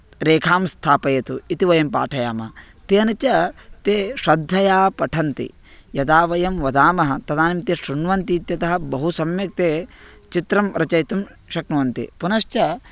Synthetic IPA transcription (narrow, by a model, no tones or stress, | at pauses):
ɾeːkʰaːmst̪ʰaːpɐjɐt̪uit̪iʋɐjɐmpa̰ːʈʰɐjaːmɐ | t̪eːɐnɐt͡ʃɐt̪eːʃɐd̪ʱːɐjaːpɐʈʰɐnt̪ḭ | jɐd̪aːʋɐjɐmʋɐd̪aːmɐɦɐt̪ɐd̪aːnimt̪eːʃɾunʋɐnt̪iːt̪jɐt̪ɐɦɐ̆bɐɦusɐmjɐk̚t̪eːt͡ʃit̪ɾɐmɾɐt͡ʃɐjt̪umʃɐknɐʋɐnt̪ḭpunɐʃt͡ʃɐ